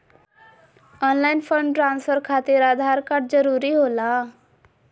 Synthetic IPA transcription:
ɔnlainfəɳɖʈɾansfəɾkʰat̪iːɾad̪ʱaɾkaɽ̚d͡zəɾuɾiːɦola

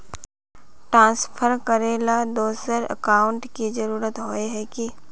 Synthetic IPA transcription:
ʈɾãːnspʰəɾkəɾeːlad̪oːsəɾə̰kaːʊ̃ɳʈkizəɾuːɾət̪ɦoːeɦɛki

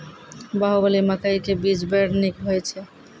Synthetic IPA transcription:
baɦobalimakajkebid͡ʑbɛɾnikɦojet͡ɕʰe

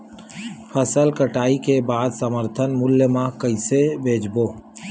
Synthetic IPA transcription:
pʰəsəlkəʈaːikebaːd̪səməɾt̪ʰənmʊljəmãkəɪsebʱeːd͡ʒboː

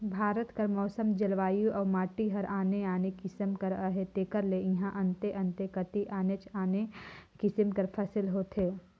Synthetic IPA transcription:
bʱaːɾət̪kɐɾmɔːsəmd͡ʒɐlʋaːjuʔɔːɾmaːʈiɦɐɾaːneaːnekɪsəmkəɾəɦet̪eːkəɾleɪ̃ɦãʔɐ̃nt̪eʔɐ̃nt̪ekɐt̪iʔaːnet͡ʃaːnekɪsəmkɐɾpʰɐsɪlɦoːt̪ʰɦeː

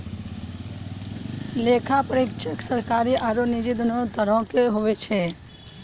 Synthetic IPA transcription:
leːkʰapəɾek̚t͡ʃeksəɾkaːɾiʔaːɾonɪd͡ʒɪd̪not̪əɾõːkeɦoʋet͡ʃʰe

